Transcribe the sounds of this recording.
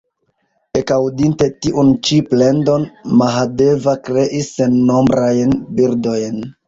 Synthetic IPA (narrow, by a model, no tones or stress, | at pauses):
ekawdinte̞tiʔunt͡ʃiple̞ndo̞nmaɦade̞vakɾe̞ʔisːe̞nːo̞mbɾajnbiɾdo̞jn